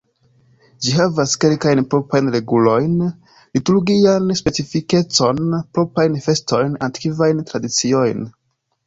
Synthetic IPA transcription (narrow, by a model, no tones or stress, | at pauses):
d͡ʒiɦavaske̞lkajnpɾo̞pajnɾe̞ɡulo̞jn | lituɾɡianspe̞t͡sifike̞t͡so̞npɾo̞pajnfe̞sto̞jnakkivajntɾadit͡sio̞jn